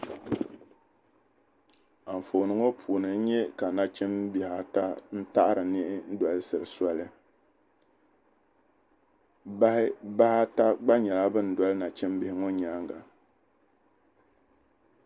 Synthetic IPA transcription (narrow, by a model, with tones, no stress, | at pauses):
a˨ɱ˨fo˨nɨ˦ŋo˦pʰuː˨nɨ˨n̩˦ɲɛ˦ka˨na˨t͡ʃɪ˦mbi˨ha˨ta˦n̩˦ta˦ʔa˦ɾɨ˨nɪ˦ʔɪ˦n̩˦da˨lɨ˦sɨ˨ɾɨ˨swa˦lɨ˦ | ba˦hɪ˦ba˦ha˦ta˦ɡ͡ba˦ɲɛ˨la˦bɨ˦n̩˨da˦lɨ˦na˨t͡ʃɪ˦mbɪ˨hɪ˦ŋo˦ɲaː˦ŋɡa˨